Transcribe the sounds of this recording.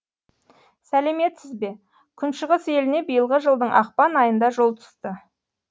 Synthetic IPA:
sæle̞me̞t̪sɪzbe̞ | kʲʰʏnʃəʁəse̞lɪne̞bijəlˠʁəʒəlˠd̪əɴʔɑq̚pɑnɑjənd̪ɑʒo̞lˠt̪ʰʊ̥st̪ə

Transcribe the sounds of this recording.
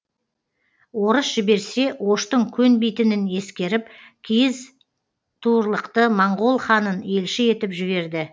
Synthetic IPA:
wo̞ɾəsʒɪbe̞ɾse̞wo̞ʃt̪əŋkʲʰɵnbijt̪ɪnɪne̞skʲe̞ɾɪp̚kʲʰijɪz | t̪ʰuɾlˠəqt̪əmɑɴʁo̞lˠχɑnəne̞lʃɪe̞t̪ɪpʒɪβe̞ɾd̪ɪ

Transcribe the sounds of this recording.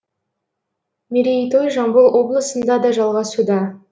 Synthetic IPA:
mʲiɾʲijt̪ojʒɑmbəlˠwʔo̞blˠəsənd̪ɑd̪ɑʒɑlˠʁɑsud̪ɑ

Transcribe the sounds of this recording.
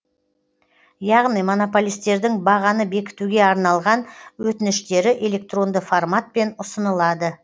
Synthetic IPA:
jɑʁnijmo̞no̞po̞lʲijst̪e̞ɾd̪ɪŋbɑʁɑnəbe̞kʲɪ̥t̪uɡʲe̞ɑɾnɑlˠʁɑnwɵt̪ɪnɪʃt̪e̞ɾɪʔe̞lʲe̞k̚t̪ro̞nd̪əformat̪̚pe̞nʊsənəlˠɑd̪ə

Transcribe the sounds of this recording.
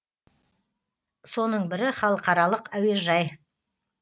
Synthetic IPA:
so̞nəɴbɪɾɪχɑlˠəqɑɾɑlˠəqæweʒɑj

